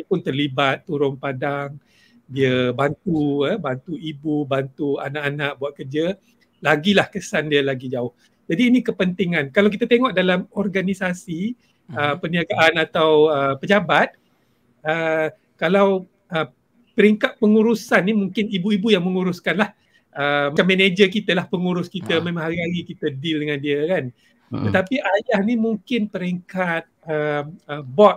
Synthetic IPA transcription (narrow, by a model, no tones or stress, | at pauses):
pʊnt̪ərlibat̪ːuɾʊŋpadaŋ | diəbant̪ubant̪uibubant̪ua̰naʔanaʔ̚buat̪̚kərd͡ʒə | laɡilahkəsandiəlaɡid͡ʒaʊh | d͡ʒadiːnĩkəpənt̪iŋãnkalawk̬it̪at̪eŋɔʔdalamɔrɡanisasi | əpəniaɡaʔanat̪awəpəd͡ʒabat̪̚ | ə | kalaw | ə | pəɾiŋkat̪̚pəŋuɾusanːimuŋkɪnibuibujaŋməŋuɾʊskanlah | əmamẽned͡ʒəkit̪əlahpəŋuɾʊskit̪əmẽmãŋɦaɾiɦaɾikit̪ədɪldəŋãndiəkan | ət̪apiʔajahnimuŋkɪnpəɾiŋkat̪̚əməbɔt̪̚